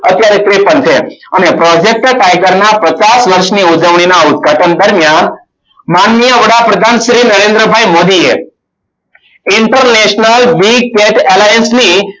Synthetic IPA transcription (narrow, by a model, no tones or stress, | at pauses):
ət̪jaɾet̪ɾepənt͡sʰḛañepɾɔd͡ʑek̚ʈkajkəɾɳapət͡sasʋəɾʂniːud͡zəʋɳ̃inaud̪̚ɡʱaʈənd̪əɾmjan | manːijəʋəɽapɾəd̪ʱanɕɾiːnəɾend̪ɾəbʱajmod̪iːje | iɳʈəɾneɕnəlbiɡ̚keʈʰɛlajənsni